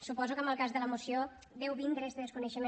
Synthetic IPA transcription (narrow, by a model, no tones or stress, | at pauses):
supɔzukəməlˠkazðələmusijo | ðɛwβind̪ɾəɛst̪əðəskunəʃəme